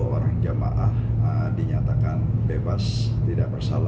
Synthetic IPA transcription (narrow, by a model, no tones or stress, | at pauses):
oɾaŋd͡ʒama̰ʔahədiɲat̪akanbebas | t̪idaʔ̚bərsala